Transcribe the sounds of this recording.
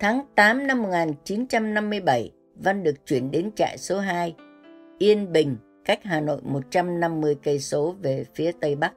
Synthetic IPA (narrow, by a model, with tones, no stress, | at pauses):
t̪ʰaː˨˦ŋt̪aː˨˦mna˧mːo˨˩k̚ŋaː˨˩nt͡ɕi˨˦nt͡ɕa˧mna˧mːɨ˧əjɓə˧˩j | va˧nɗɨ˨˩ək̚t͡ɕwi˧˩ənɗe˨˦nt͡ɕa̰ː˧˨jso˨˦ɦaː˧j | ʔi˧ənɓï˨˩ŋ̟ | ka˦˥jk̟̚ɦaː˨˩no̰˧˨jmo˨˩t̚t͡ɕa˧mna˧mːɨ˧əjkə˧jso˨˦ve˨˩fi˨˦ət̪ə˧jɓa˦˥k̚